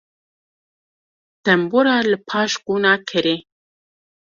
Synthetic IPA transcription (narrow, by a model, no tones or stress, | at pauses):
t̪ɛmbuɾɑːlɨpʰɑːʃɡuːnɑːkʰɨɾe